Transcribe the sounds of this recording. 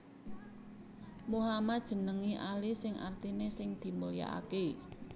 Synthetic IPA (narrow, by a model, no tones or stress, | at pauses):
muɦamat̪̚d̥ʒ̥ə̤nəŋiʔalisɪŋʔa̰rt̪inesɪŋd̪̥i̤mulija̰ʔa̰ke